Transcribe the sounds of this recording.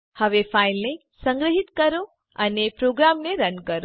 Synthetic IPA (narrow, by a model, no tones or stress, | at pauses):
həʋefʰailne | sə̃ŋɡɾəɦit̪kəɾo | ənepɾoɡɾamneɾənkəɾo